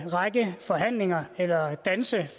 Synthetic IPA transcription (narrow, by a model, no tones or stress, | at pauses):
ʁɑ̈ɡ̥əfɒ̽ɦæn̰le̝ŋɐelɐd̥ænsə